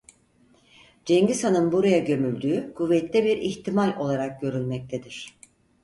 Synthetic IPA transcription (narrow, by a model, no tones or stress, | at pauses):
d͡ʒɛɲɟisanɯnbuɾajaɟø̞mylʲd̪yːkʰuvːɛt̪ʰːɛbiɾiçt̪ʰimalʲo̞lˠaɾak̚ɟø̞ɾylʲmɛc̚t̪ʰed̪iɾ̝̥